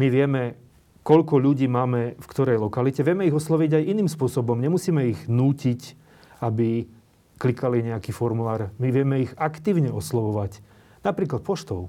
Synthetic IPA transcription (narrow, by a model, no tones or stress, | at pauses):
miʋɪɛmɛ | kɔʎkɔʎuɟiːmaːmɛfkt̪ɔɾɛjlɔkalicɛʋɪɛmɛiɣɔslɔʋiɟajiniːmspʊɔsɔbɔmɲɛmusiːmɛiɣnuːcic | abi | klikaliɲɛakiːfɔɾmulaːɾmiʋɪɛmɛiɣakt̪iːʊɲɛɔslɔʋɔʋac | napɾiːklat̪̚pɔʃt̪ɔʊ